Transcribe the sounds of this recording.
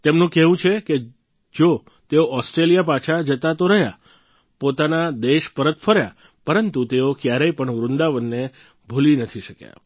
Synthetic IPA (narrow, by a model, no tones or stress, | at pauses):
t̪emnũkɛʋũt͡ʃʰeke | d͡ʒo | t̪eoʔɔsʈɾelijapat͡ʃʰad͡ʒət̪at̪oɾəɦja̰ | pot̪anad̪eʃpəɾət̪fʰəɾja̰ | pəɾənt̪ut̪eokjaɾəjpəɳʋɾʊnd̪aʋənːe | bʱulinət̪ʰiʃəkja̰